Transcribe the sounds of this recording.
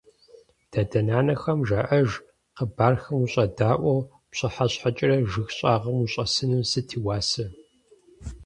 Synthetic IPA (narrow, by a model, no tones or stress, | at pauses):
d̥aːdɐnaːnɐxɐmʒaʔɐʒ | qəbaːrxɐmuɕʼɐdaːʔʷɐw | pɕʼɐħaɕħat͡ʃʼɪrɐʒɨxɕʼaːʁɐmuɕʼɐsɨnɨmsɨtʰiːwaːsɨ